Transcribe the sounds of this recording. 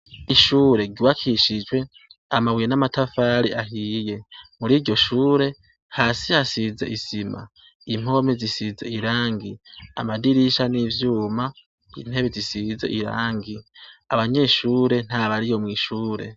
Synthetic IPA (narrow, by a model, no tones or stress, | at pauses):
iʃuːɾe̞ɟuwakʰiʃid͡ʒwe̞ | amaβwijenamatafaːɾiʔaɦiːje̞muɾiːɾɟo̞ʃuːɾe̞ | haːsihasizḛʔisima̰ | im̥o̞mezisizeiɾaːŋɡia̰madiɾiʃanivjuːma | ḭn̥he̞βezisizḛʔiɾa̰ːŋɡiaβaɲe̞ːʃuːɾe̞n̥haβaɾijo̞mŋiːʃuːɾe̞̰